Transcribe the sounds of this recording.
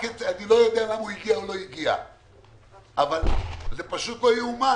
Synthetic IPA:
ket͡sanilo̞jod̪ealamuiɡiaolo̞iɡia̰ | avalzepaʃut̪lo̞juuma

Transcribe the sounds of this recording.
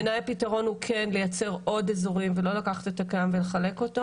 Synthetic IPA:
najapitaʁo̞nhukʰenle̞jat͡se̞ʁo̞dezoʁimvelo̞lakaχḁtet̪akajamveleχale̞ko̞ta

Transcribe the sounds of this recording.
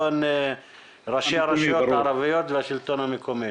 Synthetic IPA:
on | ʁaʃiaɾaʃijot̪haːɾavijot̪veaʃilt̪o̞namekʰomi

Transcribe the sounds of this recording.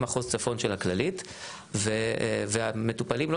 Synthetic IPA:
maχuzt͡safonʃelhaklalit | veveametupaliml

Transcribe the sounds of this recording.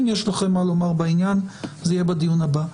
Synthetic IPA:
njeʃlaχemːalomaʁbainjanzejebad̪ijunaba

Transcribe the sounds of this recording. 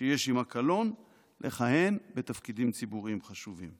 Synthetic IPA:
ʃeje̞ʃimakalo̞n | lʔeχahe̞nbet̪afkidimt͡sibuʁiimχaʃuvim

